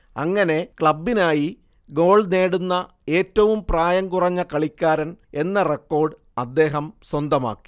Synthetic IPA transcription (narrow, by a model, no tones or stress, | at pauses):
ɐ̰ŋːɐne̞kɭɐbːinaːji | ɡo̞ːɭneːɽunːɐ | e̞ːtːɐʋumpraːjɐŋkurɐɲːɐkɐɭikʲːaːɾɐne̞nːɐrekːo̞ːrɖ | ɐd̪ːe̞ːɦɐmswɐnd̪ɐma̰ːkːi̥